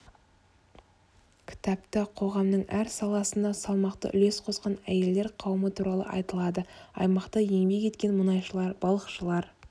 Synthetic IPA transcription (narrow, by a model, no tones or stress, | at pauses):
kʲʰɪ̥t̪ɑpt̪əqʰo̞ʁɑmnəɴæɾsɑlˠɑsənd̪ɑsɑlˠmɑqt̪ə̰ʔʏ̰le̞sqʰo̞sqɑnæje̞ld̪e̞ɾqʰɑwəmət̪ʰuɾɑlˠə̰ʔɑ̰jt̪əlˠɑd̪əɑ̰jmɑqt̪ɑje̞ŋbe̞ke̞t̪kʲe̞nmənɑjʃəlˠɑɾbɑlˠəqʃəlˠɑɾ